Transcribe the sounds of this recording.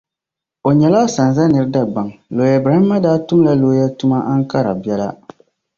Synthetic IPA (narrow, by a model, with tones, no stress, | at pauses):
o˨ɲɛ˨laː˦sa˨nza˦nɨ˨ɾɨ˦da˨ba˨ŋlo˨ja˨bɾa˨hi˦mːa˦daː˦tʊ˦m˦la˦loː˨˦ja˦tu˦ma˦ʔa˦ŋ˦ka˦ɾa̰˨bi˨˦ɛ˦la˦